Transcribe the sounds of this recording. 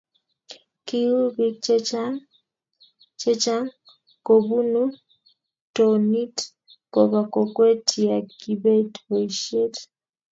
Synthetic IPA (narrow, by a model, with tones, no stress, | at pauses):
ki˦ju˦βi˦ | t͡ʃe˦t͡ʃa˦ŋ | ko˨βu˦nu˦ | tɔ˨ni˦t | kɔ˨βa˨kɔ˨kwe˦tʰi˨a˨ki˨βe˦tɔ˨iʃe˦t